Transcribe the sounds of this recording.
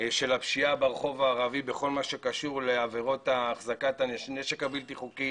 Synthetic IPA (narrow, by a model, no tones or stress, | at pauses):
ʃe̞lapʃiabaʁeχo̞vaːʁavibe̞χo̞lmaʃe̞kaʃuʁle̞aveʁo̞t̪aːχzakat̪aneneʃekabilt̪iχuki